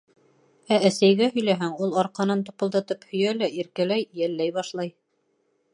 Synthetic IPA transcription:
ææsæjɡæhɵ̆jlæɦæŋulˠɑɾqɑnɤnt̪ŏpɤ̆lˠd̪ɑt̪ɤphɵ̆jælæʔiɾkælæjjælːæjβɑʃlˠɑj

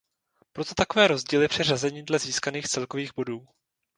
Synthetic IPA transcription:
pɾo̞t̪o̞t̪ako̞vɛːɾo̞zɟiːlɪpr̥ɪrazɛɲiːdlɛziːskaniːxt͡sɛlko̞viːɣbo̞duː

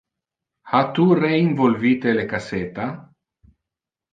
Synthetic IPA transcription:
hat̪ureiɱvolviːt̪elekaset̪a

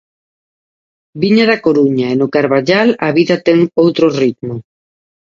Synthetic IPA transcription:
biɲaðakoɾuɲaenʊkaɾβaʎalaβiðɐt̪ɛŋowt̪ɾorit̪mʊ

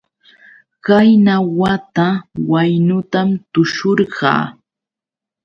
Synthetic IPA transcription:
kajnawat̪awajnʊt̪amt̪ʊʃoɾɢɑ̰ː

